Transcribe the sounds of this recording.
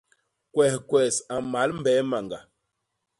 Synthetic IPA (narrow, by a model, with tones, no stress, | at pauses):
kwɛ˨hkwɛ˨sa˨ma˨˦lm˦bɛ˨˦ma˨ŋɡa̰˨